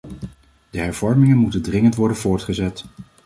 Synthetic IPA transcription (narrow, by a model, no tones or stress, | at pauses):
d̥əɦɛɹv̥ɔɹmɪŋənmutəndrɪŋəntʋɔɹdənvʊːɹtχəzɛt